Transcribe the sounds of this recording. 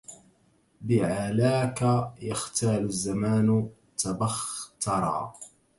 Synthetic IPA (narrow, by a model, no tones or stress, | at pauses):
bɪʕalaːkajaxt̪ʰaːlʊzːamaːn | t̪abaxt̪ɑɾˤɑ̰ː